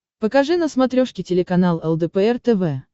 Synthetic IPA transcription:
pəkɐʐɨnəsmɐt̪ɾʲoʂkʲɪtʲɪlʲɪkɐnalˠɛlˠd̪ɛpɛɛrt̪ɛvɛ

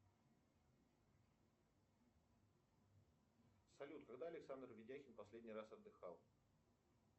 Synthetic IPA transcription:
sɐlʲut̪̚kaɡd̪aɐlʲɪksand̪rvʲɪdʲaxʲɪnpɐsʲlʲedʲnʲirasɐd̪ːɨxalˠ

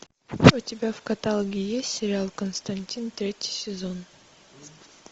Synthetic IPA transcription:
utʲɪbʲafkɐt̪alˠɡʲijesʲt̪ʲsʲɪɾʲɪalˠkənst̪ɐnʲtʲint̪ɾʲetʲɪ̥sʲɪzo̞n

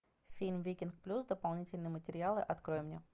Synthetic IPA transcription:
fʲilʲmvʲekʲink̚plʲusd̪əpɐlˠnʲitʲɪlʲnɨjəmətʲɪɾʲɪalˠɨʔɐt̪kɾo̞jɪmnʲe

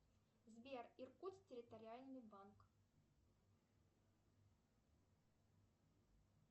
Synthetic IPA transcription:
zʲbʲerirkut̪stʲɪɾʲɪt̪ɐɾʲɪalʲnɨjbank

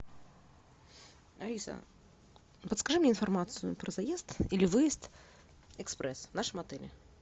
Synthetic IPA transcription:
ɐlʲisə̰ | pət̪skɐʐɨmnʲeɪnfɐrmat̪sɨjʊpɾəzɐjezt̪ilʲɪvɨjɪst̪ | ɛkspɾɛsvnaʂɨmɐt̪ɛlʲɪ̰

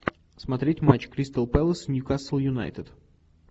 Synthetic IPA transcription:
smɐt̪ɾʲetʲmat͡ɕkɾʲist̪əlˠpɛlˠəsnʲjukasəlˠjʊna̰jt̪ət̪

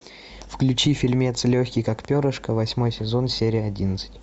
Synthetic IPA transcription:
fklʲʉt͡ɕifʲɪlʲmʲet̪slʲoxʲkʲɪjkakpʲoɾəʂkəvɐsʲmo̞jsʲɪzo̞nsʲeɾʲɪjəɐdʲinət̪sɨ̥tʲ

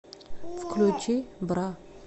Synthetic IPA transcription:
fklʲut͡ʃibɾa

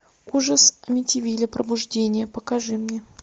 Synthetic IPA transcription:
uʐəsɐmʲɪtʲɪvʲilʲɪpɾʔə̰bʊʐdʲenʲɪjəpəkaʐɨmnʲe

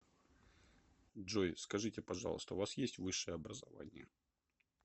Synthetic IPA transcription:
dʐojskɐʐɨtʲɪpɐʐɑ̰lˠə̰st̪əʊvasjesʲtʲvɨʂːɨjəɐbɾəzɐva̰nʲɪ̰jə̰

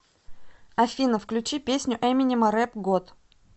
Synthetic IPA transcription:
ɐfʲinəfklʲʉt͡ɕipʲesʲnʲʊʔɛmʲɪnʲɪmɐɾɛpɡot̪

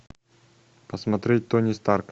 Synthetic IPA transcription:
pəsmɐt̪ɾʲet̚ʲt̪onʲɪst̪arkə

